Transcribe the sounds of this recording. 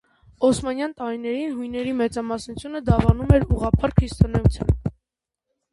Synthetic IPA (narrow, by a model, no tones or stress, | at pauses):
ɔsmɑnjɑnt̪ɑɾinɛɾinɦujnɛɾimɛt͡sɑmɑsnut͡sʰjunəd̪ɑvɑnumɛɾuʁɑpʰɑɾkʰɾist̪ɔnɛjut͡sʰjɑ̰n